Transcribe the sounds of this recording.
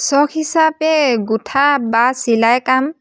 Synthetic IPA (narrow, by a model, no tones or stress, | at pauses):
sɔkʰhisapɛɡutʰabasilajkam